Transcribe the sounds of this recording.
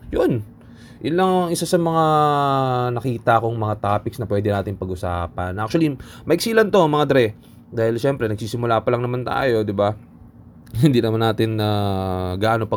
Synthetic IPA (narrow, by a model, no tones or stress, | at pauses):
jon | ʔʊnlɐŋŋʔɪsasɐmɐŋa | nɐkiːt̪ɐʔɐko̞ŋmɐŋat̪aːpɪksnɐpwɛd̪ɪnaːt̪ɪŋpɐɡʊsaːpɐnʔak̚t͡ʃʊɐlimɐʔɪksiːlɐnt̪o̞mɐŋad̪ɾɛ | d̪aːhɪlʃɛmpɾɛnɐɡ̚siːsɪmʊlaːpɐlɐŋnɐmant̪a̰ːjo̞d̪ɪba | hɪnd̪iːnɐmanːaːt̪ɪnːɐɡaʔno̞pɐ